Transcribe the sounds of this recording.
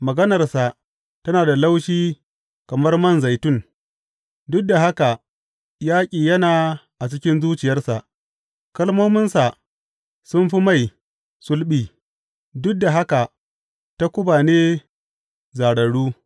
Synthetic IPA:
mɐ˨ɡɐ˦nɐ˨rsa˨ | tɐ˦naː˨da˨la˦wʃiː˦ | kɐ˨mɐ˦rmɐ˦˨nza˨jtʊ˦˨n | dʊ˦k̚da˨ɦa˦ka˨ | jaː˦kʲʼiː˨jɐ˦naː˨ʔa˨t͡ʃɪ˦kʲɪ˦nzuː˦t͡ʃɪ˨jɐ˦rsa˨ʔ | kɐ˦lmoː˦mɪ˦nsa˨ | sʊ˦nɸi˦ma˦˨j | sʊ˦lɓiː˨ | dʊ˦k̚da˨ɦa˦ka˨ | ta˦kʷʊ˦baː˨neː˦ | zaː˨ɽɐ˨ɽuː˦

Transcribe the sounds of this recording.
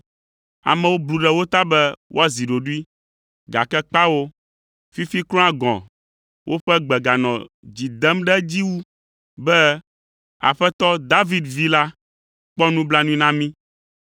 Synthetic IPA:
a̰˨mɛ̃˨wo˦blu˨ɖɛ˦wo˦t̪a˦bɛ˦wʔo̰˦a˦˨zi˨ɖo˨ɖu˦i˦ | ɡa̰˨kɛ˦k͡pa˦wo˦ | fi˦fi˦klɔ̃˦a˦ɡɔ̰̃˨ | wʔo˦ɸɛ˦ɡ͡bɛ˨ɡa˨nɔ̃˨ | d͡ʑi˨d̪ɛ˦mɖɛ˦d͡ʑi˦wu˦ | bɛ˦ | a̰˨ɸɛ˦t̪ɔ˦d̪a˦vi˦d̪vi˦la˦ | k͡pɔ˦nũ˦bla˦nũ˦i˦nã˦mĩ˦

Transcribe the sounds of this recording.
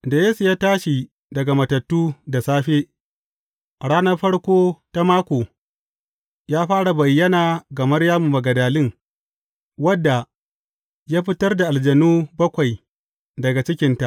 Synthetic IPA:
da˨jeː˦su˨jaː˦taː˦ʃi˨ | dɐ˨ɡa˨mɐ˨tɐ˨tːuː˦da˨saː˦ɸe˦ | ɽaː˦nɐ˦rɸɐ˦ɽkʷoː˦ta˦maː˦kʷoː˨ | jaː˦ɸaː˦ɽa˨bɐ˨jːɐ˦naː˨ɡɐ˨mɐ˦rjaː˦mu˨mɐ˨ɡɐ˨daː˨lɪ˦ŋ | wɐ˦dːa˨ | jaː˦ɸɪ˦tɐ˦rda˨ʔa˨ld͡ʒɐ˨nuː˦bɐ˦kʷa˨j | dɐ˨ɡa˨t͡ʃɪ˦kʲɪ˦nta˨ʔ

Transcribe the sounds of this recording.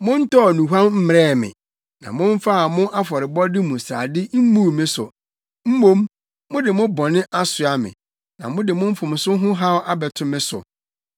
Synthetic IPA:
mʊ̃˦n̩˦tɔ˦ɔ˨nũ˨ɦã˦mm̩˦m˨ɾɛː˦˨mɪ̰̃˨ | nã̰˨mʊ̃˦ɱ̩˦fa˦a˨mʊ̃˦ʔa˦fɔ˨ɾɪ˨bɔ˦dɪ˦mũ˨sa̰ː˨dɪ˦m̩˦mũ˦˨mɪ̃˦sʊ̰˨ | m̩˦mõ˦mː | ʊ̃˦dɪ˨mʊ̃˦bɔ̃˨nɪ̃˦ʔa˦sʊ˨a˨mɪ̰̃˨ | nã̰˨mʊ̃˦dɪ˨mʊ̃˦m̩˦fʊ̃˨m˨sʊ˦ɦʊ̃˦ɦa˦wʔa˦bɛ˨tʰʊ̃˨mɪ̃˦sʊ̰˨

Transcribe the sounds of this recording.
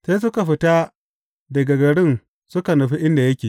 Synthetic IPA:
seː˦s̬ʊ˦ka˨ɸɪ˨ta˦ | dɐ˨ɡa˨ɡɐ˨ɽɪ˦n | sʊ˦ka˨nɐ˨ɸi˦ʔɪ˦nda˨jɐ˦kʲeː˨

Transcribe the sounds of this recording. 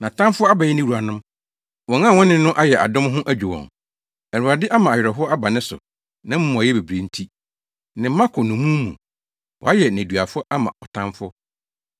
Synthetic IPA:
nã˨tʰã˦mfʊ˦a˦ba˨jɛ˦nɪ̃˦wu˨a˨nʊ̃˦m | wɔ̃˨ŋã˦˨wɔ̃˦nɪ̃˦nʊ̃˦ʔa˦jɛ˨ʔa̰˨dʊ̃˦mɦʊ̃˦ʔæ˦d͡ʑᶣu˨wɔ̰̃˨ŋ | æ˨ɾu˨a˨dɪ˦ʔa˦mã˨ɥɾɔ˨ɦʊ˦ɔ˦a˦ba˨nɪ̃˦sʊ̰˨ | nã˦m̩˦mʊ̃˨a˨jɛ˦be˨bɾe˨n̩˦tʰi˦ | nɪ̃˨m̩ː˦ã˦kʰʊ˨nʊ̃˨mũ˦mṵ̃˨ | wɔ̰˨a˦jɛ˨næ̃˨du˨a˨fʊ˦ɔ˦ʔa˦mã̰˨ɔ˨tʰã˦mfʊ˦

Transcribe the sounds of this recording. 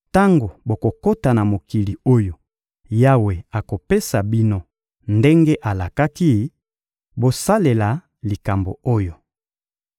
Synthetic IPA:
ta˦ŋɡo˨bo˨ko˨ko˦ta˨na˨mo˨ki˨li˨o˦jo˨ | ja˦we˨a˨ko˨pe˦sa˨bi˦no˦ | nde˦ŋɡe˦ʔa˨la˨ka˦ki˦ | bo˨sa˦le˨la˨ | li˨ka˨mbo̰˨o˦jo˨

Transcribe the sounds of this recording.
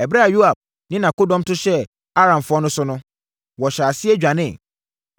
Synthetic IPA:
ɛ˨bɾa˦a˨ju˦a˨b̚ | nɪ̃˦nã˨ko˦dɔ̃˦m˦tʊ˦ɕɛ˦ | a˦ɾã˨mfʊ˦ɔ˦nʊ̃˦sʊ˦nʊ̃˦ | wɔ˨ɕaː˨sɪ˦e˦d͡ʑᶣa˨nɪ̃˦˨

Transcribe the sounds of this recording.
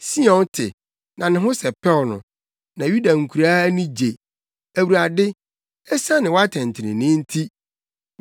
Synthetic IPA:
si˦ɔ̃˨ntʰɪ̰˨ | nã˨nɪ̃˨ɦʊ̃˦sɛ˨pʰɛ˦˨nʊ̰̃˨ | nã˨ju˦da˨ŋ̩˨kʰu˨ɾaː˦nĩ˦d͡ʑe˨ | æ˨wu˨ɾa˨dɪ˦ | ɛ˦sã˦nɪ̃˨wɔ˦a˦tʰɛ̃˨n˨tʰɪ˨ɪ̰̃˨nɪ̃˦n̩˦tʰi˦

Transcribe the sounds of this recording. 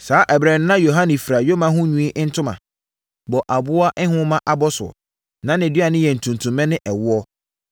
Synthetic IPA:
saː˨˦ʔɛ˨bɾɛ˨n˦nã˦jo˨ɦa˦nĩ˨fɾa˨jo˦mã˨˦ɦʊ̃˦ɲũ˦ĩ˦ʔn̩˦tʰʊ̃˦mã̰˨ | bɔ˨ʔa˨bʊ˦a˦ʔɛ̃˦ɦʊ̃˦mã˦ʔa˨bɔ˦sʊ˨ɔ̰˨ | nã˦nɪ̃˨di˦a˨nɪ̃˦jɛ˨n̩˨tʰũ˨ntʰũ˨mːɛ̃˦nɪ̃˦ʔɛ˨wʊ˦ɔ˦

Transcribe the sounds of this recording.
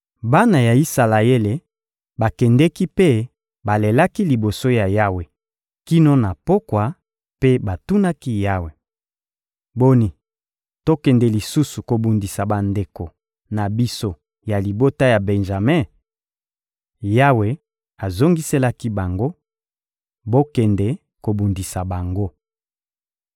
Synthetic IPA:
ba˦na˨ja˨i˦sa˨la˨e˦le˨ | ba˨kɛ˨ndɛ˦ki˦pe˦ | ba˨le˨la˦ki˦li˨bo˨so˦ja˨ja˦we˨ | ki˦no˦na˨po˦kwa˨ | pe˦ba˨tu˦na˦ki˦ja˦we˨ | bo˦ni˨ | to˦kɛ˨ndɛ˨li˨su˦su˨ko˨bu˨ndi˨sa˨ba˨nde˨ko˨ | na˨bi˦so˦ | ja˨li˨bo˦ta˦ja˨be˨nʒa˨me˦ | ja˦we˨ | a˨zo˦ŋɡi˦se˦la˦ki˦ba˨ŋɡo˦ | bo˦kɛ˨ndɛ˨ | ko˨bu˨ndi˨sa˨ba˨ŋɡo˦

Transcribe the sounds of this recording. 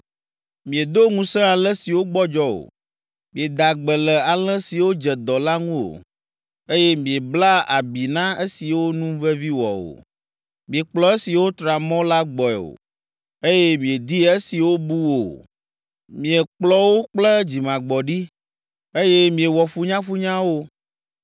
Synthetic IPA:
mĩ˨e˨d̪o˦ŋũ˦sɛ̃˦a˨lə̃˦si˨wo˦ɡ͡bɔ˦d͡ʒɔ˦o̰˨ | mĩ˨e˨d̪a˨ɡ͡bə˨lɛ˨a˨lɛ̃˦si˨wo˦d͡ʒɛ˨d̪ɔ˨la˦ŋũ˦o̰˨ | e˦jɛ˦mĩ˨e˨bla˦a̰˨bi˨nã˦e˦si˨wo˦nũ˦vɛ˦vi˦wɔ̰˨o̰˨ | mĩ˨e˨k͡plɔ˦e˦si˨wo˦t̪ɾa˨mɔ̃˦la˦ɡ͡bɔ˨ɛ˨o̰˨ | e˦jɛ˦mĩ˨e˨d̪i˦e˦si˨wo˦bu˦wo̰˨ | mĩ˨ɛ˨k͡plɔ˦wo˦k͡plə˦d͡ʑi˨mã˨ɡ͡bɔ˨ɖi˦ | e˦jɛ˦mĩ˨e˨wɔ˨fu˦ɲã˦fu˦ɲã˦wo˦

